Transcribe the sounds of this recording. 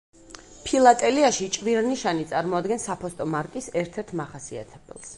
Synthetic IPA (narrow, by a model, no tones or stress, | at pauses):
pʰilˠat̪ʼɛliaʃit͡ʃʼviɾniʃanit̪sʼaɾmɔad̪ɡɛnsapʰɔst̪ʼɔmaɾkʼisɛɾt̪ʰɛɾt̪ʰmaχasia̰t̪ʰɛbɛ̰lˠs